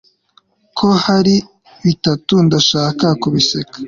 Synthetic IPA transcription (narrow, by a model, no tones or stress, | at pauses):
kʰo̞haɾi | βitatundaʃaːkakuβisekḁ